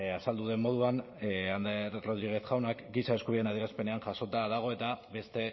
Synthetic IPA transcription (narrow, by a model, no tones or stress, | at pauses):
asald̪uðe̞mmo̞ð̞uan | and̪eɾro̞ð̞ɾiɣ̞e̞θxawnakɡisae̞skuβienaðieɾaspe̞ne̞anʝaso̞t̪aðaɣ̞o̞e̞t̪aβe̞st̪e̞